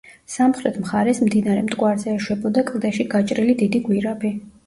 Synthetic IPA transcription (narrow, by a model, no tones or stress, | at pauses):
samχɾɛt̪ʰmχaɾɛsmd̪inaɾɛmd̪ʼɡʼwaɾzɛːʃwɛbɔd̪akʼlˠd̪ɛʃiɡat͡ʃʼɾilid̪id̪iɡwiɾabi